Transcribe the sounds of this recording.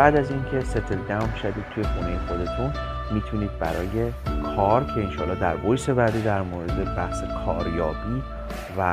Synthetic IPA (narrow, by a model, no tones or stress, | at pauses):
bæːd̪æziːncʲʰe̞set̪ʰelɡæmmʃæd̪iːd̪̚t̪ʰuje̞xunejexo̞d̪e̞t̪ʰun | miːt̪ʰuniːd̪̚bæɾɒːje̞kʰɒɾcʲʰe̞inʃɒːlːɒːhd̪æɾbojse̞bæɾd̪id̪æɾmoːɾe̞d̪ebæhsekʰɒːɾjɒːbiː | væ